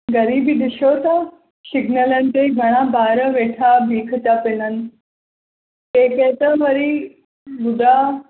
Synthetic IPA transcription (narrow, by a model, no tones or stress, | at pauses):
ɡəɾiːbid̪iɕoːt̪a | ɕiɡnəlãnt̪eɡʱəɽ̃ãbaːɾəʋeʈʰabʱiːkʰt̪apenən | eket̪əʋəɾiː | bud̪ʱa